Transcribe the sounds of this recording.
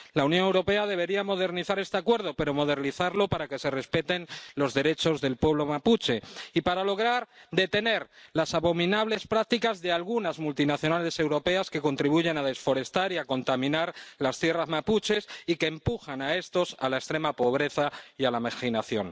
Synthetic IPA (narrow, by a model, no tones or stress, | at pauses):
launjonewɾo̞pe̞að̞e̞β̞e̞ɾiamo̞ð̞e̞ɾniθaɾe̞st̪eakwe̞ɾð̞o̞pe̞ɾo̞mo̞ð̞e̞ɾniθaɾlo̞paɾake̞se̞re̞spe̞t̪e̞nlo̞zðe̞ɾe̞t͡ʃo̞zðe̞lpwe̞β̞lo̞maput͡ʃe̞ipaɾalo̞ɣ̞ɾaɾd̪e̞t̪e̞ne̞ɾlasaβo̞mĩnaβ̞le̞spɾak̚t̪ikazðe̞alɣunazmult̪inaθjonalese̞wɾo̞pe̞aske̞ko̞nt̪ɾiβ̞uʝe̞naðe̞sfo̞ɾe̞st̪aɾiako̞nt̪amĩnaɾlast̪jerazmaput͡ʃe̞sikeːmpuxanae̞st̪o̞salaest̪ɾe̞mapo̞β̞ɾe̞θaialamaxinaθjo̞̰n